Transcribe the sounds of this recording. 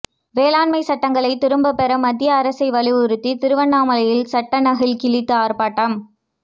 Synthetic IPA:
ʋeːlaːɳmɐɪsɐʈːɐŋɡɐɭɐɪt̪ɪɾɯmbɐpːɛɾɐmɐd̪ːɪjɐːɾɐsɐɪʋɐlɪʋʊɾɯt̪ːit̪ɪɾɯʋɐɳːaːmɐlɐjɪlsɐʈːɐnɐɣɪlkɪɭɪt̪ːɯaːɾpaːʈːɐm

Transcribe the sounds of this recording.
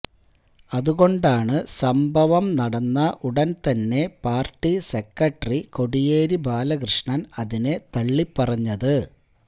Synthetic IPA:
ɐðuɣo̞ɳɖaːɳɨsɐmbʱɐʋɐmnɐɽɐnːɐʔuɽɐnt̪ɐnːe̞paːrʈːise̞kːɐʈːriko̞ɽijeːɾibʱaːlɐkrɨʂɳɐnɐðine̞t̪ɐɭːipːɐrɐɲːɐðɨ

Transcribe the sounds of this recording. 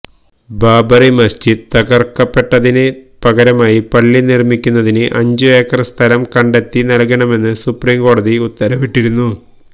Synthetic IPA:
baːbɐrimɐst͡ɕid̪ɨt̪ɐɡɐrkːɐpːe̞ʈːɐðinɨ | pɐɡɐɾɐmaːjipɐɭːinirmikʲːunːɐðinɨʔɐɲd͡ʑɨeːkːɐrɨst̪ʰɐlɐmkɐɳɖe̞t̪ːinɐlkɐɳɐme̞nːɨsupriːmko̞ːɽɐðiut̪ːɐɾɐʋiʈːiɾunːu

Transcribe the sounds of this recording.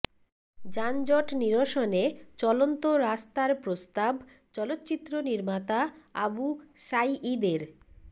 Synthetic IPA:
d͡ʑand͡ʑɔʈniɾoʃonet͡ɕɔlont̪oɾast̪aɾpɾost̪ab | t͡ɕɔlot̪ːt͡ɕit̪ːɾoniɾmat̪aabuʃajʔid̪eɾ

